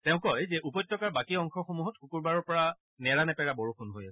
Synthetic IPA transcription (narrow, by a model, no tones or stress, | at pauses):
tɛʊ̃kɔjzɛʔupɔjtːɔkaɹbakiɔŋxɔxomuɦɔtxukuɹbaɹɔɹpɔɹa | nɛɹanɛpɛɹabɔɹukʰunɦojasɛ